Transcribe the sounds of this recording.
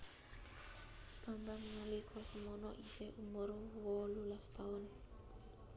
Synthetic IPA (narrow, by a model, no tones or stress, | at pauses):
pambamnalikʰosmono̰ʔiseʔumoɾuwolulastʰaun